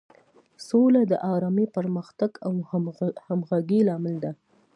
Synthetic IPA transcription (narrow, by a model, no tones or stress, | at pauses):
solad̪əʔɑɾɑmipəɾməxt̪aɡawhamɣaɡilɑmɪld̪a